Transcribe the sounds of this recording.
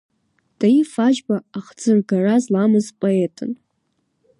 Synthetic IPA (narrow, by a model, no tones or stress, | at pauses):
d̥aifad͡ʒbaaχd͡zɨrɡarazlamɨzpʼoetʰʼɨ̰n